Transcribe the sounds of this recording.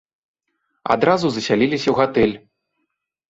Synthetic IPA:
a̰d̪ɾazuzɐsʲalʲilʲisʲɐwɣat̪ɛlʲ

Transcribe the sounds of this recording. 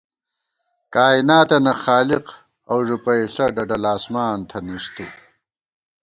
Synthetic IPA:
kaːinaːt̪ɐnɐxaːliq | ɐwʐupɐjɬɐɖɐɖɐlaːsmaːnt̪ʰɐnist̪u

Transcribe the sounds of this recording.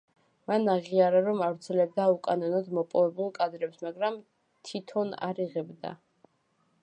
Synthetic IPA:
manaʁiaɾaɾɔmavɾt̪sʰɛlɛb̚d̪aukʼanɔnɔd̪mɔpʼɔvɛbulˠkʼad̪ɾɛpsmaɡɾam | t̪ʰit̪ʰɔna̰ɾiʁɛbd̪a̰

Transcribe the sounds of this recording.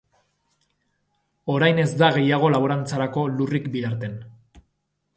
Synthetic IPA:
o̞ɾajne̞zd̪aɣ̞e̞jaɣ̞o̞laβoɾant͡saɾako̞lurikbiðaɾt̪e̞n

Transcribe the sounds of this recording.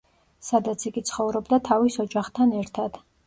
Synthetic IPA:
sad̪at̪sʰiɡit̪sʰχɔvɾɔbd̪at̪ʰavisɔd͡ʒaχt̪ʰanɛɾt̪ʰad̪̥

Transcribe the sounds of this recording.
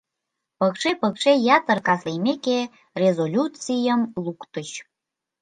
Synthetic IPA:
pəkʃepəkʃejɑt̪ərkɑslejmeke | rezolʲut͡sijəmlukt̪əɕ

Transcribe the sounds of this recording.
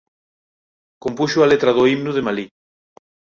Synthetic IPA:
kompuʃualet̪ɾaðoimnuðemali

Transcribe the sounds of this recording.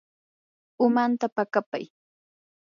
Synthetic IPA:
ʊmant̪apakapa̰j

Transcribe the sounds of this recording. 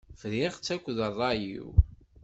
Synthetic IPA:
fɾiʁt͡sːækʷːðərˤːɑjḭw

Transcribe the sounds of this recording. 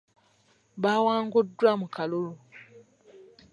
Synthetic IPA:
βaːwaːŋɡudːwamukalolo

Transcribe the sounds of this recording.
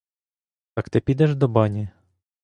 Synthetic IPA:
t̪ɑkt̪ɪpʲid̪ɛʒd̪ɔbɑnʲi

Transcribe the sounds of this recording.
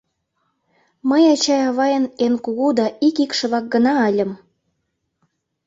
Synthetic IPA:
məjɑt͡ɕɑjɑβɑjənenkuɣud̪ɑʔikikʃɤ̆βɑk̚ɡənɑəlʲə̆m

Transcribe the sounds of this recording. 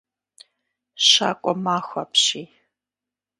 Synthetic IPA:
ɕa̰ːkʷʼɔmaːxʷɐpɕiː

